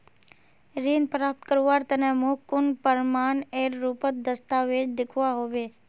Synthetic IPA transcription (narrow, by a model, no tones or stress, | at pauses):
ɾiːnpɾaːp̚t̪kəɾuʋaɾt̪ənemokʊnpəɾmaːneɾːupət̪̚d̪əst̪aʋed͡ʒd̪ɪkʰʋaɦoʋe